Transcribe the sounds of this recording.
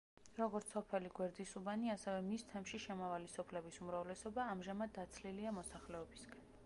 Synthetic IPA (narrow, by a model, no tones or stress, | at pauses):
ɾɔɡɔɾt̪sɔpʰɛliɡwɛɾd̪isubaniasɛvɛmist̪ʰɛmʃiʃɛmavalisɔpʰlɛbisumɾavlɛsɔbaːmʒamad̪̚ːat̪sʰliliamɔsaχlɛɔbisɡʰɛn